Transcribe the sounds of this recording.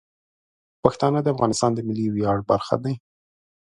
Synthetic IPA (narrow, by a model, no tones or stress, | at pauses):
paxt̪ɑnəd̪əafɣɑnɪst̪ɑnd̪əmɪliwjɑɽbaɾxa̰d̪aj